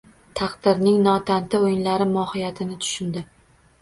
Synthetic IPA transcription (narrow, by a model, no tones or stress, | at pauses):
t̪ʰɑqd̪ɪɾnɪŋnɒt̪ʰant̪ʰɪojɪnlaɾɪmɒhɪjat̪ʰɪnɪt̪ʰʊ̥ʃɪnd̪ɪ